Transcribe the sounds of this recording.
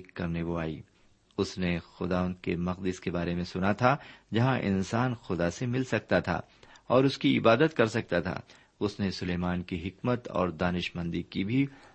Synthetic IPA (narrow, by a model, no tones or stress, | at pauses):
kːɐɾneʋoaːḭː | ʊsnexʊd̪aːʋə̃nd̪̚kemɐqd̪ɪskebaːɾemẽsʊnat̪ʰad͡ʒɐɦãʔɪ̰nsaːnxʊd̪asemɪlsɐk̚t̪at̪ʰa̰ː | ɔːɾʊskiɪbaːd̪ət̪kɐɾsɐk̚t̪at̪ʰa̰ː | ʊsnesʊleːmaːnkiɦɪkmət̪ɔ̰ːɾd̪aːnɪʃmɐ̃nd̪ikibʱi